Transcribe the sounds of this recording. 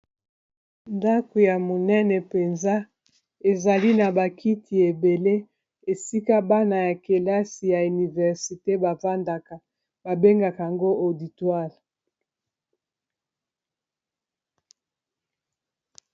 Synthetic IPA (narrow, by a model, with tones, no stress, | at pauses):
nda˦ko˨ja˨mo˨nɛ˦nɛ˨pe˨nza˦ | e˨za˨li˦na˨ba˨kʰi˦tʰi˨e˨be˨le˦ | e˨si˦ka˦ba˦na˨ja˨ke˨la˦si˨ja˨y˨ni˨vɛ˨ʁsi˨te˦ba˨va˦nda˨ka˨ | ba˨be˦ŋɡa˨ka˨ja˨ŋɡo˦ʔo˨di˨twa˦˨l